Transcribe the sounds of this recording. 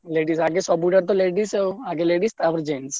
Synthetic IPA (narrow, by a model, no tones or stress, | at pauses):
leɖisaɡesɔbuɖaɾt̪̬ɔleɖiseoaɡeleɖist̪aʋəɾd͡ʒens